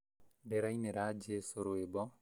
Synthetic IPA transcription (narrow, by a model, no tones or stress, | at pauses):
deɾaineɾad͡ʒesoɾoebɔ